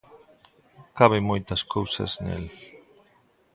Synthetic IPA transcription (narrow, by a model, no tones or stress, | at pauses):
kaβemojt̪ɐskowsa̰znḛl